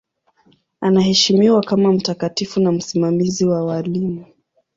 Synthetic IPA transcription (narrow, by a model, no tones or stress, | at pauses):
anahɛʃimiwakamam̩takatifunam̩simamiziwawalimu